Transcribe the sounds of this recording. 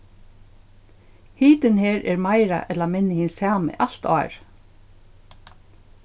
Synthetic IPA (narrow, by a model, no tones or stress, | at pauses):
hiːt̪ɪnheːɹʔɛːɾmaɪɾa̰ʔɛt̪lamɪnːɪhinsɑːmɪ̰ʔalt̪ɑ̰ːɹ